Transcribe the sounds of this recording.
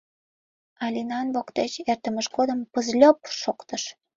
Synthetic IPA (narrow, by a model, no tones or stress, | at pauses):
ɑlʲinɑnβokt̪et͡ɕert̪əməʃkod̪əmpəzlʲopʃokt̪əʃ